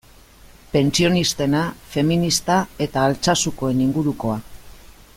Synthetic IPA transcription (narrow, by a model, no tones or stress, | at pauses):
pe̞nt͡sio̞nist̪e̞nafe̞minist̪ae̞t̪aːlt͡sasuko̞e̞niŋɡuɾuko̞a